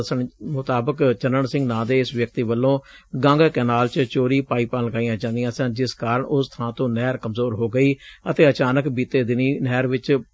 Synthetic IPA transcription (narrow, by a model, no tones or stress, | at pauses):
əsəɳmʊt̪aːbəkt͡ʃənəɳsɪ̃ŋɡnãːd̪eːɪsʋjək̚t̪iːʋəlːõːɡəŋɡkɛːnaːlt͡ʃt͡ʃoːɾiːpaːiːpə̃ləɡaːijãːd͡ʒãːnd̪ijãːsɛ̃ːd͡ʒɪskaːɾəɳʔʊst̪ʰãːt̪õːnɛːɾkəmzoːɾɦoːɡəiːət̪eːət͡ʃaːnəkbiːt̪eːd̪ɪniːnɛːɾʋɪt͡ʃ